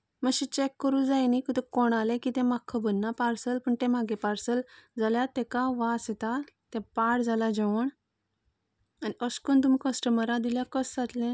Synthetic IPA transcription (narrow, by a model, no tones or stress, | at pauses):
məɕit͡ɕekːəɾud͡zajnikut̪ẽkɔɳ̃alẽkit̪ẽmakʰːəbənːapaɾsəlpəɳt̪ẽmaɡepaɾsəld͡zaljat̪ɛ̃kaʋasɛt̪at̪ɛ̃paɽd͡zalad͡ʑeʋəɳ | aniəskənt̪̬umikəsʈəməɾad̪iljakəsd͡zat̪lɛ̃